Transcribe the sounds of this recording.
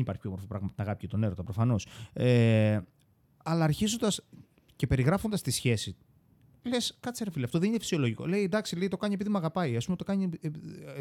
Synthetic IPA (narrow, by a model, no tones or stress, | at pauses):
nipɐɾçipço̞mo̞ɾfopɾɐɣmɐt̪ɐnɐɣɐpicet̪o̞ne̞ɾo̞t̪ɐpɾo̞fɐno̞se | ɐlɐːɾçizo̞nd̪ɐs | ce̞pe̞ɾiɣɾɐfond̪ɐst̪isçe̞si | leskɐt̪t͡seɾefiliɐft̪o̞ðeninefisio̞lo̞ʝiko̞̰le̞ind̪ɐksile̞it̪o̞kɐɲie̞piðimɐɣɐpɐiɐspumet̪o̞kɐɲi